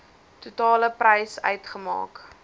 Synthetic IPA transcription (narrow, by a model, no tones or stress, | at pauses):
tutɑːləprɛjsœ̰ɥtχəmɑ̰ːk